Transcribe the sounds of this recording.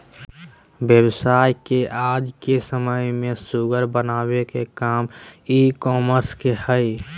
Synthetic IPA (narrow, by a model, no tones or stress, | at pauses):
bjəbsaːjkeʔaːd͡ʒkesəməjmẽsuɡəɾbənaːwekekaːmikɔːməɾskehəj